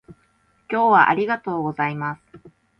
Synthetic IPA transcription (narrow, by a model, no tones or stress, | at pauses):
kʲo̞ːβa̰ʔa̰ɾʲiɡat̪o̞ːɡo̞zaimasɨ̥